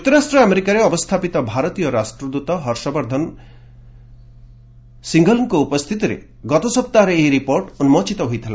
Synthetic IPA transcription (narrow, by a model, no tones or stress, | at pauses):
d͡ʒut̪ːɔɾasʈɾɔameɾikaɾeɔbɔst̪ʰapit̪ɔbʱaɾɔt̪ijɔɾasʈɾɔd̪ut̪ɔɦɔɾsɔbɔɾd̪ʱɔn | siŋɡɔlɔŋkɔupɔst̪ʰit̪iɾḛ | ɡɔt̪ɔsɔp̚t̪aɦɾeejɾipoɾʈunumɔt͡ʃit̪ɔɦojt̪ʰila